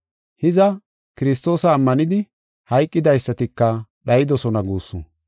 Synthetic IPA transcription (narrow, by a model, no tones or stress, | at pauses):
hɪzɐ | kɪɾɪs̬t̪o̞ːsɐːmːɐnɪd̪ɪ | hɐjkʼːɪd̪ɐjsːɐt̪ɪkːɐɗɐjɪd̪ɔsɔnɐɡuːsːʊ